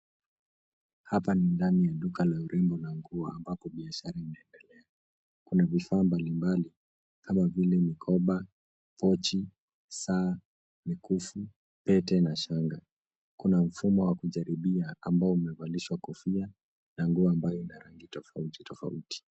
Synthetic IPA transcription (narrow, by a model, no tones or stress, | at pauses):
hapanindanijaɗukalauɾʔɛmbɔlaŋɡuɔa̰mbapɔɓiaʃaɾainaɛndɛlɛa | kunavifaːmbalimbali | kamavilɛmikʰɔɓa | pɔt͡ʃi | saː | mikufu | pɛtɛnaʃaŋɡa | kunam̩fumɔwakuʄaɾiɓiaambaɔumɛvaliʃwakɔfia | naŋɡuɔambajɔinaɾaŋɡitɔfauti̥tɔfa̰uti̥